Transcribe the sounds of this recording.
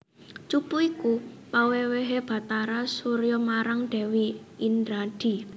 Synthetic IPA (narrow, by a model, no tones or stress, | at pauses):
t͡ʃupuikupaweweɦeb̥a̤t̪aɾasuɾjɔmaɾaŋd̪̥ɛ̤wi | indɾad̥i̤